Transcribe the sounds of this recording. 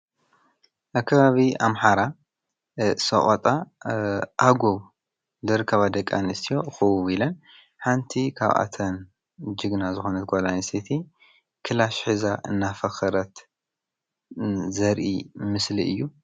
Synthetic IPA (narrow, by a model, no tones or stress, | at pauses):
ʔakʰːɐβaβia̰mħaɾa | sɐ̰χʼot̪ʼa | ʔaɡoβ | lɨɾɨkʰːɐβad̪ɐkʼːa̰nɨst̪ʰijo̞xɨwuβilɐn | ħant̪ʰikʰa̰βʔa̰t̪ʰɐn | d͡ʒɨɡnazɨxo̞nɐt̪̚ɡʷolansit̪ʰi | kʰɨlaʃħɨzaʔɨnːafɐxɨɾɐt̪ | zɐɾʔḭmɨsliɨ̰jːu